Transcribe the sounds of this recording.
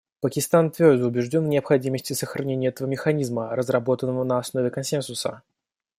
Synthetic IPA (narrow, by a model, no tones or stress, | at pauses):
pəkʲɪst̪ant̪vʲo̞rd̪əʊbʲɪʐdʲo̞nnʲɪɐpxɐdʲiməsʲtʲɪsəxɾʔɐnʲenʲɪjəɛt̪əvəmʲɪxɐnʲizmərəzrɐbo̞t̪ənːəvənəɐsno̞vʲɪkɐnsʲensʊsə